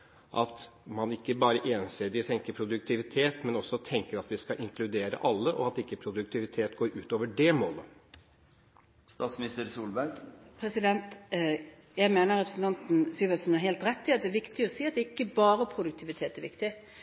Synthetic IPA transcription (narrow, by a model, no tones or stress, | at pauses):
ʔɑt̪mɑnɪkːəbɑːɾəʔɛːnseːd̪ɪt̪ʰɛŋkəpʰɾʊd̪ʉk̚t̪ʰɪʋɪt̪ʰeːt̪mɛnɔsɔt̪ʰɛŋkəɾɑt̪ʋɪskɑʔɪŋklʉd̪eːɾə̰ʔɑlːəʔɔ̰ɑt̪ɪkːəpʰɾʊd̪ʉk̚t̪ʰɪʋɪt̪ʰeːt̪ɡoːɾʉːt̪oːʋəɖɛmoːlə | st̪ɑːt̪smɪnɪst̪əɾsuːlbæɡpʰɾɛsɪd̪ɛnt̪ | jæɪmeːnəɾʁɛpɾəsn̩t̪ʰɑnt̪n̩syːʋəsn̩æɾheːlt̪ɾɛt̪ʰːɪɑt̪̚d̪ɛæʋɪkt̪ɪɔsiːɑt̪̚d̪ɛɪkːəbɑːɾəpʰɾʊd̪ʉkt̪ʰɪʋɪt̪ʰeːt̪æɾʋɪkt̪ɪ